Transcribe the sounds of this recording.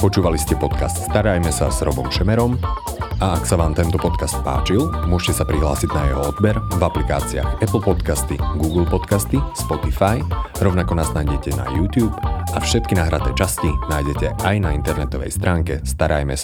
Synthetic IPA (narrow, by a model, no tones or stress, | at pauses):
pɔt͡ʃuːʋaliscɛpɔt̪kast̪st̪aɾajmɛsa̰zɾɔbɔmʃɛmɛɾɔm | aaksaʋaːmt̪ɛnt̪ɔpɔt̪kast̪̚pa̰ːt͡ʃilmʊɔʃcɛsapɾiɦla̰ːsiɟnajɛɦɔɔd̪bɛɾvaplikaːt͡sia̰xɛpl̩pɔt̪kast̪ḭɡuːɡl̩pɔt̪kast̪ispɔt̪ifajɾɔʊnakɔnaznajɟɛcɛna̰juːt̪juːpafʃɛt̪̚kinaːɦɾat̪ɛːt͡ʃascinaːjɟɛcɛajnaint̪ɛɾnɛt̪ɔʋɛ̰jst̪ɾʔaːŋkɛst̪aɾa̰jmɛ̰sa